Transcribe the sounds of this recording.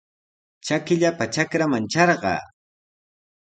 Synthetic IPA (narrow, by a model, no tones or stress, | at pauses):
t͡ʃakɪʎapat͡ʃakɾamant͡ʃɑɾɢɑ̰ː